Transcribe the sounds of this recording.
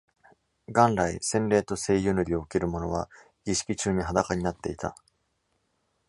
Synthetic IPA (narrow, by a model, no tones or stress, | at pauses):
ɡãnɾaisẽ̞nɾe̞ːt̪o̞se̞ːjɯ̟nɯ̟ɾʲio̞ɯ̟ke̞ɾɯ̟mo̞no̞βa | ɡ̥ʲiɕi̥kʲit͡ɕɨːɲ̟iɦad̪akaɲ̟inat̪ːe̞it̪a̰